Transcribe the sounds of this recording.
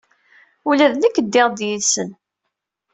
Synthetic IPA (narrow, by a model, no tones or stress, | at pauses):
ulæðnəkːəd̪ːɪʁd̪jiðsən